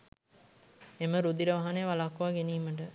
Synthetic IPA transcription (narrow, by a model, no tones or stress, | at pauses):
eməɾud̪iɾəʋaɦanejʋalakːʋaːɡeniːməʈ̬ə